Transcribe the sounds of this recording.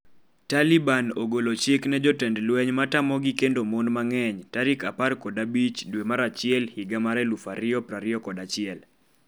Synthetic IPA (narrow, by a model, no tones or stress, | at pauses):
talibanoɡolot͡ʃɪknɛd͡ʒɔtɛndlwɛɲmatamɔɡikendomonmaŋɛɲtaɾɪkaparkɔdabit͡ʃdwemaɾat͡ʃɪɛlhiɡamaɾɛlufaɾɪɔpɾaɾɪɔkɔdat͡ʃɪɛl